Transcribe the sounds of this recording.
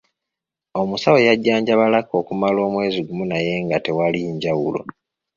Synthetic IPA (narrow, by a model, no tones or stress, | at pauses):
o̞musawojaɟːaːɲɟaβalako̞ːkumalo̞ːmwe̞ːziɡumunaje̞ŋɡate̞waliɲɟawulo̞̰